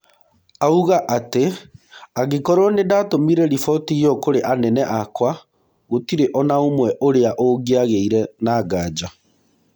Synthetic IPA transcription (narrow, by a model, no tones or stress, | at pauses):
auɣaʔate | aɣekɔɾwɔnedaːtomiɾɛɾifɔtijɔkoɾeʔanɛnɛʔakwa | ɣotiɾeʔɔnaomwɛʔoɾeaʔoɡeaɣeiɾɛnaːɡaːd͡ʑa